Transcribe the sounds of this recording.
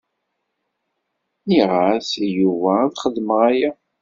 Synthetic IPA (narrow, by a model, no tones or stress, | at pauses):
niʁaθjuvæðχəðməʁæjæ